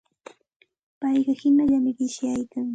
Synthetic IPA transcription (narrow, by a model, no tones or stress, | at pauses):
pɑjɢɑhɪnaʎamɪɢɪʃjajkaŋ